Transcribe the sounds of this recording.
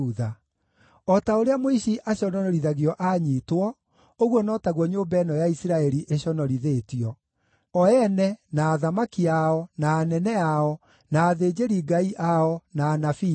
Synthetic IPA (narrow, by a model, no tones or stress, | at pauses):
uða | ɔtaoɾeamoiɕiʔaɕɔnɔnɔɾiðaɣiɔʔaɲitwɔ | oɣwɔnɔtaɣwɔɲoːmbɛːnɔjaisiɾaɛɾiʔeɕɔnɔɾiðetiɔ | ɔɛnɛnaːðamakiaɔnaːnɛnɛaɔ | naːðed͡ʑeɾiɡaiʔaɔnaːnafi